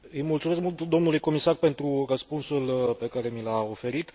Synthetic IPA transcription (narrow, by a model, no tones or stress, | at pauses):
ɨjmult̪sume̞skmult̪d̪o̞mnulujko̞misarpe̞nt̪ɾurəspunsulpe̞kaɾe̞milao̞fe̞ɾit̪